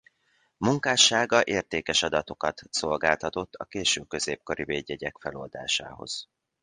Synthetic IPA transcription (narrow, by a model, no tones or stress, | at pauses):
muŋkaːʃaːɡɒʔeːrt̪eːkɛʃɒd̪ɒt̪o̞kɒt̪so̞lɡaːlt̪ɒt̪o̞t̪ʰːɒ̰keːʃøːkø̞zeːp̚ko̞ɾiveːɟːɛɟɛkfɛlo̞ld̪a̰ːʃa̰ːɦo̞̰z̥